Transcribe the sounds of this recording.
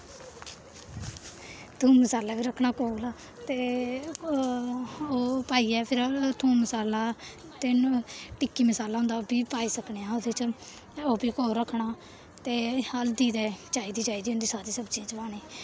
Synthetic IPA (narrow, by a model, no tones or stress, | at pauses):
t̪ʰũːməsaːlaːbiːɾəkʰɳaːkoːlaː | t̪eː | oːpaːiːɛːpʰɪɾt̪ʰuːnməsaːlaː | t̪enũʈɪkːiːməsaːlaːɦʊ̃nd̪aːobiːpaːiːsəkneːãːod̪eːt͡ʃ | oːbiːkoːɾəkʰːɳaː | t̪eːhəld̪iːd̪ɛːt͡ʃaːiːd̪iːt͡ʃaːiːd̪iːɦʊ̃nd̪iːsaːɾiːsəbt͡ʃiːd͡ʒʋaːneː